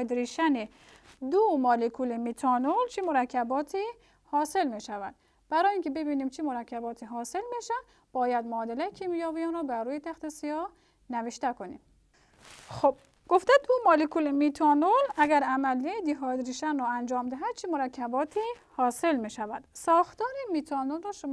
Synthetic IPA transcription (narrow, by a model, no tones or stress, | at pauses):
d̪ɾiʃæne | d̪omɒːlekʰulemit̪ʰɒnolt͡ʃʰimoɾækʰːæbɒːt̪ʰi | hɒːse̞lmiʃævæd̪̥̚ | b̥æɾɔːiːŋkʲebebiːniːmt͡ʃʰimoɾækʰːæbɒːt̪ʰiɦɒːselmeʃæ | b̥ɒːjæd̪moːd̪elæjkʰimijɑːvijɑnɾɔːbæɾːuːjet̪ʰæxt̪esijɒː | næveʃt̪ækʰonḭːm | xob̥̚ | ɡ̥oft̪æd̪umɑːlekʰulemit̪ʰɒːnolæɡæɾæmælːid̪iɦɒːd̪ɾiʃænrɔænd͡ʒɒːmd̪æɦæd̪̥̚t͡ʃʰimoɾækʰːæbɒːt̪ʰi | hɒːse̞lmiʃævæd̪̥sɒːxt̪ɒːɾemit̪ʰɒːnolrɔːʃo